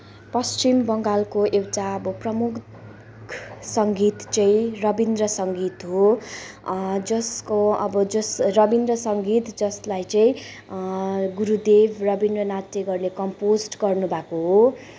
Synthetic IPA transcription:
pʌst͡ʃimbʌŋɡalkoewʈaʌbʌprʌmuk | kʰsʌŋɡit̪t͡sʌĩrʌbind̪rʌsʌŋɡit̪ɦo | d͡zʌskoʌbʌd͡zʌsrʌbind̪rʌsʌŋɡit̪d͡zʌslajt͡sʌĩ | ɡuɾud̪ebʱrʌbind̪rʌnat̪ːeɡʌrnekʌmposʈɡʌrnubʱakoɦo

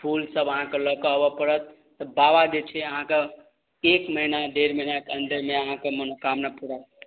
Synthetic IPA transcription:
pʰulsəbəɦãkeləkəɦbəpəɽət̪̚ːɔbabad͡ʒet͡ʃʰɛəɦãke | ekməinaɖ̪eɾməinakeənd̪əɾmeəɦãkemənokamnapuɽa

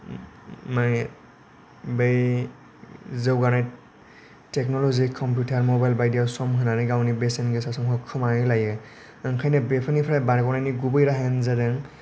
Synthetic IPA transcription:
ma | bej | zewɡana | tɛknɔlɔzikʰːɔmpjutaɹmɔbajlbajdijawsɔmɦɯnanaɡawnibesɛnɡesasɔŋɦɔkʰːɔmajilajɛ | aŋkʰajnɛbepʰanipʰɾajbankɔnaniɡubɔjɾaɦɛnzadɛŋ

